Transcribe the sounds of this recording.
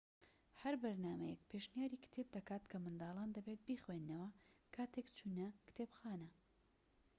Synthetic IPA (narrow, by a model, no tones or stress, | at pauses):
hɐɾbɐɾnaːmɐjɛkpʰeʃnijaːɾiːkt̪ʰeːb̚d̪ɐkaːt̪kʰɐmɨnd̪ɑːlˠaːnd̪ɐbet̪̚biːxwenːɐwɐkʰaːt̪ekt͡ʃʰuːnɐkɨ̥t̪ʰeːbxaːnɐ